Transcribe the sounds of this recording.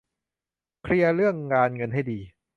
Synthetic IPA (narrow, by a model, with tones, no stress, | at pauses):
kʰɾi˧ɐɾɯ˥˩əŋːaː˧nŋɤ˧nɦa˥˩jdiː˧